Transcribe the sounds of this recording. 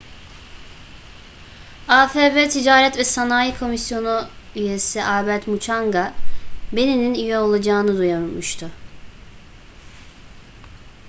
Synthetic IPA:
aːfeːvɛt̪ʰid͡ʒaːɾɛt̪vɛsanaːjikʰo̞misjo̞nuyje̞siʔaːbɛt̪mut͡ʃʰaŋɡabe̞nininyjɛo̞lˠad͡ʒaːnɯd̪ujaɾmuʃt̪ʰʊ

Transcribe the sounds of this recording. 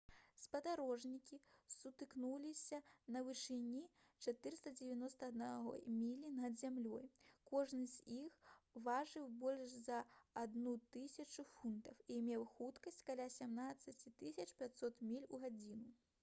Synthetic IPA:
spɐd̪aɾɔʐnʲikʲisut̪ɨknulʲisʲɐnɐvɨʂɨnʲi | t͡ʂat̪ɨɾɨst̪ɐd͡zʲevʲanɔst̪ɐːd̪naɦɔ̰mʲilʲinɐd̪zʲamlʲɔjkɔʐnɨzʲixvaʐɨwbɔlʲʂzɐːd̪nut̪ɨsʲɐt͡ʂufunt̪ɐwimʲɛwxut̪kɐsʲt͡sʲkalʲasʲamnat̪sːɐt͡sʲit̪ɨsʲɐt͡ʂpʲat͡sʲsɔt̪mʲilʲuɣad͡zʲinu

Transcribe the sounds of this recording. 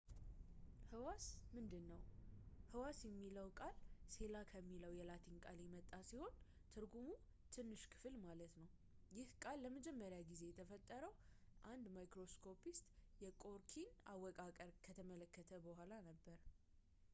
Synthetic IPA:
hɨwasmɨnd̪ɨnːəwhɨwasjɛmːiləwkʼalse̞lakʰəmːiləwjɛlat̪ʰiŋkʼaljɛmət̪ʼːasiho̞n | t̪ʰɨɾɡumu | t̪ʰɨnːɨʃkʰɨ̥fɨlmalət̪nəw | jɪhkʼalːəməd͡ʒɛmːəɾjaɡize̞jɛt̪ʰəfət̪ʼːəɾəwʔand̪majkɾo̞skʰo̞pʰist̪ʼjɛkʼo̞ɾkʰinawːɔkʼakʼəɾkʰət̪ʰəmələkːət̪ʰəbəhʷalanəbːəɾ

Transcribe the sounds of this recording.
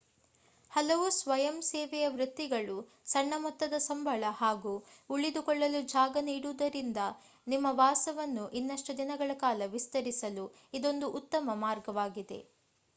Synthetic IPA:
hɐlɐʋusʋɐjɐmsɛːʋɛjɐʋɾut̪ːiɡɐɭu | sɐɳːɐmɔt̪ːɐd̪ɐsɐmbʱɐɭɐhaːɡuːuɭid̪ukɔɭːɐlud͡ʒaːɡɐniːɽuːd̪ɐɾind̪ɐ | nimːɐʋaːsɐʋɐnːuʔinːɐʂʈud̪inɐɡɐɭɐkaːlɐʋist̪ɐɾisɐlu | id̪o̞nd̪uʔut̪ːɐmɐmaːɾɡɐʋaːɡid̪e̞̰

